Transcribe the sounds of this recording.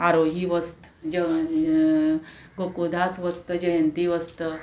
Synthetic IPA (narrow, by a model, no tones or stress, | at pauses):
aɾoɦiʋəst̪ | d͡ʑə | ɡokod̪ʱasʋəst̪əd͡ʑəjənt̪iʋəst̪ə